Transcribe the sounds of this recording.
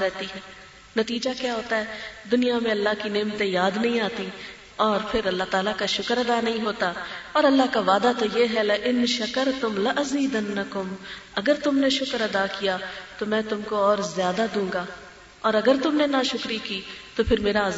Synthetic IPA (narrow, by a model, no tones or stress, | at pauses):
ɾɛɦt̪iɦɛː | nɐt̪iːd͡ʒakjaːɦoːt̪aɦɛːd̪ʊnijamẽɐlːaɦkineːmt̪ẽjaːd̪nɐɦĩaːt̪i | ɔːɾpʰɪɾɐlːaɦt̪aːlakaʃʊkəɾɐd̪aːnɐɦĩɦoːt̪aɔːɾɐlːaɦkaʋaːd̪at̪ojeɦɛlɐʔɪnʃɐkəɾt̪ʊmlɐʔɐziːd̪ɐnːɐkʊm | ɐɡəɾt̪ʊmneʃʊkəɾɐd̪aːkijat̪omɛ̃ːt̪ʊmkoɔːɾzjaːd̪ad̪ũːŋɡaː | ɔːɾɐɡəɾt̪ʊmnenaʃʊkɾikiːt̪opʰɪɾmeːɾa